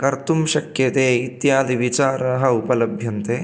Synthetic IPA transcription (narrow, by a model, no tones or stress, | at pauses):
kɐɾt̪umʃɐkjɐt̪eːit̪jaːd̪iʋit͡ʃaːɾɐɦɐ̆upɐlɐbʱjɐnt̪eː